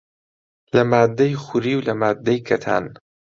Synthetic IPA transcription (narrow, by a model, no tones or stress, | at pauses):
lɐmaːd̪ːɐjxuɾiːwlɐmaːd̪ːɐjkʰɐt̪ʰa̰ːn